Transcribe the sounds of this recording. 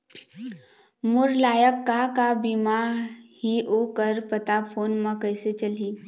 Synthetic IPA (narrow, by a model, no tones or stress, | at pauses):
mʊɾlaːjəkːakabimahioːkəɾpət̪apʰoːnmãkəjset͡ʃəliː